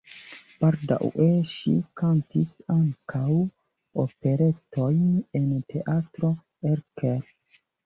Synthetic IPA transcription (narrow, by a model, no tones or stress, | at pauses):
b̥aɾda̰weʃḭkantisaŋkʰaw | ope̞ɾe̞tojnentʰe̞ʔatɾo̞ | eɾkeɾ